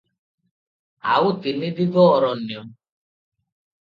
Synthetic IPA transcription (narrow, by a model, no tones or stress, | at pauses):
a̰wʊtinidiɡɔɔɾɔnĩɔ